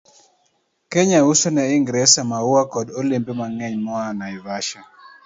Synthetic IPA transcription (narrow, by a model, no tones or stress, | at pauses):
keɲausonɛɪŋɡɾɛsamawwakɔdolimbemaŋɛɲmɔanaɪvaʃa